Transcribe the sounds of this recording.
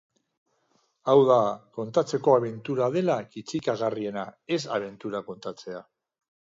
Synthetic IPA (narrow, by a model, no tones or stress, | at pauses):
awðako̞nt̪at͡se̞ko̞aβ̞e̞nt̪uɾað̞e̞lakit͡sikaɣarie̞nae̞saβ̞e̞nt̪uɾako̞nt̪at͡se̞a